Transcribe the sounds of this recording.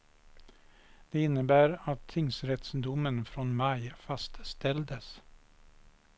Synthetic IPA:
d̪̥eːɪnːəbæːɾat̪ʰːɪŋsɾɛt̪sd̪ʊmənfɾɔnmɑɪfɑst̪st̪ɛld̪əs

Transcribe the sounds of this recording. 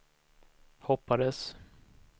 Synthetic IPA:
hɔpːad̪əs

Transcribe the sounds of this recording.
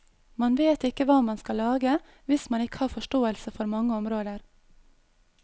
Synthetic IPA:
mɑnʋeːt̪ɪkəʋɑːmɑnskɑlɑːɡə | ʋɪsmɑnɪkə̥hɑːɾfɔʃʈoːəlsəfɔɾmɑŋəɔmɾoːd̪əɾ

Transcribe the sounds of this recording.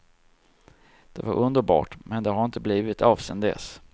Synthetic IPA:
d̪̥ɛvaɾʔɵnd̪əɾbɑ̰ːʈmɛnd̪ɛɦaɾɪnt̪əbliːvɪt̪ɑːvsɛnd̪ɛ̰s

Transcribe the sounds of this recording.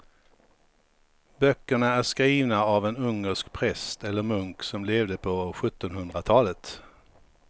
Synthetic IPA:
bœkːəɳaæʂkɾiːvnaavɛnɵŋːəʂkpʰɾɛst̪ɛlːəɾmɵŋksɔmleːvd̪əpʰɔɧɵt̪ːɔnhɵnd̪ɾat̪ʰɑːlət̪

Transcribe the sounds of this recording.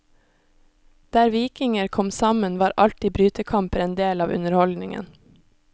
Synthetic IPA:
d̪̥æːɾʋiːkɪŋəɾkʰɔmsɑmənʋɑːɾʔɑlt̪ibɾyːt̪əkʰɑmpəɾeːnd̪eːlɑːʋʔʉ̰nəɾhɔld̪nɪŋə̰n

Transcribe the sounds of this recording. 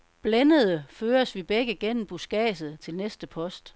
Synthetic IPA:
b̥lenəð̩ˠəføːɐsʋib̥eɡ̥əɡ̥en̰m̩b̥usɡ̥ɛ̰ːsð̩ˠt͡sʰe̝lnesd̥əpʰɒ̽sd̥

